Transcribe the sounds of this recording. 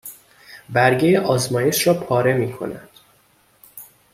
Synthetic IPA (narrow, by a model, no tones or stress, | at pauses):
bæɾɟejeʔɒːzmɒːje̞ʃɾɒːpʰɒːɾe̞miːkʰo̞̰næ̰d̪̥